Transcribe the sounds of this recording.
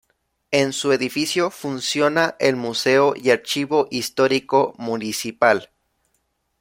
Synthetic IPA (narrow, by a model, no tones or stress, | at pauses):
e̞nsue̞ðifisjo̞funsjo̞naʔelmuse̞ojaɾt͡ʃiβo̞ʔist̪o̞ɾiko̞munisipal